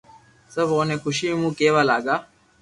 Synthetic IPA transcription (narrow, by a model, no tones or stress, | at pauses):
səboːneːxʊʃiːmũːkeːʋaːlaːɡaː